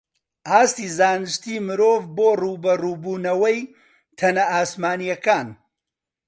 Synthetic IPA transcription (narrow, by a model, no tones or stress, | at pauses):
ʔaːst̪iːzaːnɨʃt̪iːmɨɾoːvboːruːbɐruːbuːnɐwɐj | t̪ʰɐnɐaːsmaːnijɐkaːn